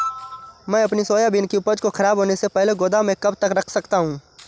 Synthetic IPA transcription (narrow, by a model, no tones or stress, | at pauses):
mɛ̃ːɐpnisoːjabɪnkiʊpəd͡ʒkoxʰɐɾaːbʱɦoːnesepɛɦleɡoːd̪amẽkɐbt̪ɐkɾɐkʰsɐkt̪aɦũː